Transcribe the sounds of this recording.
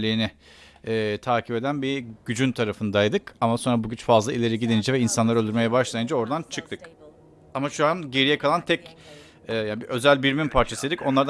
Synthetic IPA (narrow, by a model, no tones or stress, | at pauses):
iinɪ | ɛːt̪ʰaːcʰipe̞d̪ænbiɟyd͡ʒynt̪ʰaɾafɯnd̪ajd̪ɯkamaso̞nɾabuɟyt͡ʃfazlˠailʲe̞ɾiɟid̪enid͡ʒɛvɛinsanlˠaɾølʲd̪yɾme̞jɛbaʃlˠajɯnd͡ʒao̞ɾd̪ant͡ʃʰɯk̚t̪ʰɯk | amaʃuanɟe̞ɾijɛkʰalˠant̪ʰɛc | ɛjanbiʔø̞zælʲbiɾmimpʰaɾt͡ʃʰasɯjd̪ico̞nlˠaɾd̪